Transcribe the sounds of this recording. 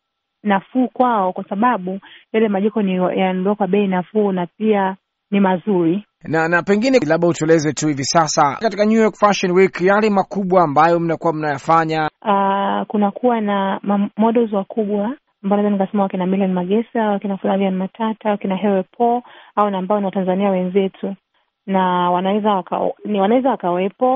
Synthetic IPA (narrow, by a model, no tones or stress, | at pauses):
nafuːkwaɔkwasaɓaɓujalɛmaʄɛkɔnḭjandɔakwaɓɛinafuːnap̚ia | nimazuɾi | nanapɛŋɡinɛlaɓautuɛlɛzɛtuhivisasakatikaɲujɔkfaʃɔnwikjalɛmakuɓwaːmbajɔm̩nakuwam̩najafaɲaakunakʰuwanamamɔɗɔzwakʰuɓwa | ambaɔnaizanikasɛmawakɛnamiliɔnmaɡɛsawakɛnafulavianmatʰatawakinaɦɛwɛpʰɔaɔnaːmbaɔniwatanzaniawɛnzɛtʰu | nawanawɛzawaka̰niwanawɛzawakawɛpɔ